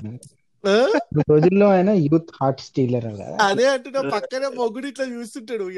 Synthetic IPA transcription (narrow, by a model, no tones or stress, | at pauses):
utod͡ʒilːoːɐjnɐjuːt̪ʰhaːɾʈsʈiːlɐɾɐkɐ̰a̰ɐd̪eːɐɳʈunːepɐkːɐneːmoɡuɽiʈlɐjuːsuɳʈaːɽu